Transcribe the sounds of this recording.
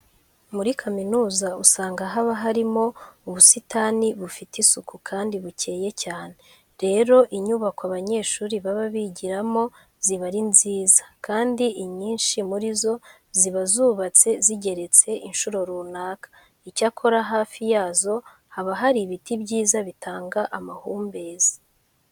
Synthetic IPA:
muɾikʰaminuːzausaːŋɡaɦaβaɦaɾimo̞uβusitaniβufitisukukʰaːndiβuce̞ːje̞caːne | ɾe̞ɾo̞ʔiɲuːβakaβaɲe̞ːʃuːɾiβaβaβiɟiɾamo̞ | ziβaɾinziːzḁkaːndiiɲiːnʃimuɾizo̞ | ziβazuːβat͡se̞ziɟe̞ɾe̞t͡se̞ʔinʃuɾo̞ɾuːnaːkḁ | icakʰo̞ɾaɦaːfijaːzo̞ | haβaɦaɾiβitibɟiːzaβitʰaːŋɡaʔamahuːmbe̞ːzḁ

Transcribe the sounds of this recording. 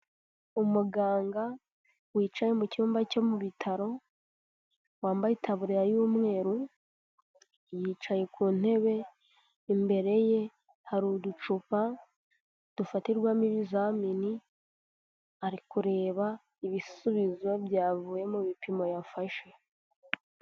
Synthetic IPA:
umuɡaːŋɡa | wiːt͡ʃaje̞muciuːmbaco̞muβitʰaɾo̞ | waːmbaitaβuɾiɾajuːmŋe̞ːɾu | jiːt͡ʃaje̞kuːn̥e̞βe̞ | imbe̞ɾe̞je̞ | haɾudut͡ʃupa | d̥ufatiɾɡwamiβizamini | aɾikuɾe̞ːβa | iβisuβizwoβjaːvuːje̞mumipimo̞jafaʃe̞

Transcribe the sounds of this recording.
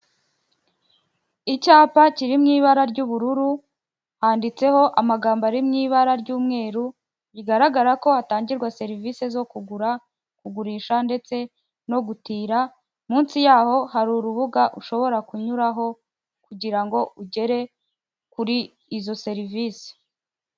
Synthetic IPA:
icaːpaciɾimŋiːβaɾaɾɟuːβuɾuɾu | haːndit͡se̞ho̞ʔamaɡaːmbaɾimŋiːβaɾaɾɟuːmŋe̞ːɾu | ɟiɡaɾaɡaɾako̞hataːɲɟiɾɡwase̞ɾivisezo̞kuɡuɾa | kuɡuɾiːʃande̞t͡se̞ | no̞ɡutiːɾa | muːnsijaːho̞ɦaɾuɾuβuɡaʔuʃo̞βo̞ɾakuɲuɾaɦo̞ | kuɟiɾaŋɡo̞uɟe̞ɾe̞ | kuɾiː | zo̞se̞ɾiviːsi̥

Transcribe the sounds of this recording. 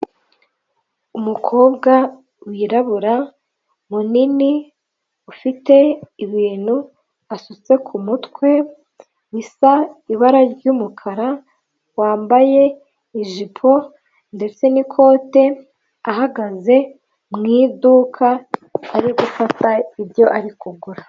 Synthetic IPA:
umukʰo̞ːbɡa | wiːɾaβuɾa | munini | ufite̞iβiːn̥hu | asut͡se̞kʰumutkwe̞ | wisaiβaɾaɾɟuːmukʰaɾa | waːmbaje̞ | iʒipʰo̞ | nde̞t͡se̞nikʰo̞ːte̞ | ahaɡaze̞ | mŋiːdukʰaːɾiɡufataivjo̞ʔaɾikuɡuɾa

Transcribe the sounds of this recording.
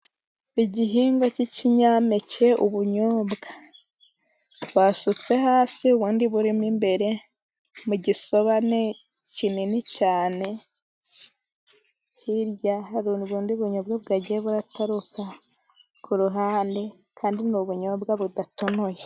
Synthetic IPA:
iɟiɦiːŋɡo̞ciciɲame̞ce̞uβuɲoːbɡa | βwaːsut͡se̞haːsiuβuːndiβuɾimimbe̞ɾe̞ | muɟiso̞βane | cininicaːne̞ | hiɾjahaɾuniβuːndiβuɲoːbɡaβɡaɟeβuɾataɾuka | kuɾuɦaːnde̞ | kʰaːndinuβuɲo̞ːbɡaβudato̞no̞je

